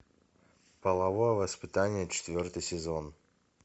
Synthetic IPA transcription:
pəlˠɐvojəvəspʲɪt̪anʲɪjət͡ɕɪ̥t̪vʲort̪ɨjsʲɪzon

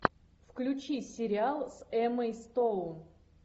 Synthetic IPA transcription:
fklʲʉt͡ɕisʲɪɾʲɪalˠsɛməjst̪own

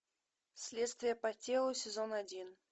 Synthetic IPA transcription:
sʲlʲet̪st̪vʲɪjəpɐtʲelˠusʲɪzonadʲin

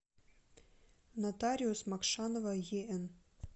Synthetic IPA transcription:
natʰaɾʲiusmakʂanovajeʔən

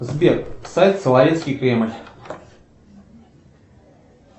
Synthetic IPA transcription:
zbʲeksajʲt̪sʲɨlˠavʲet̪skʲijkɾʲemlʲ

